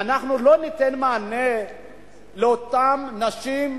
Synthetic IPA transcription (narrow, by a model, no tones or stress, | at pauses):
anaχnulo̞nit̪enmaːne | leot̪amnaʃim